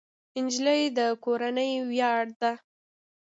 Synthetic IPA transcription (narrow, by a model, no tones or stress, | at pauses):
ɪnd͡ʒləjd̪əkoɾanəjwjɑɽd̪a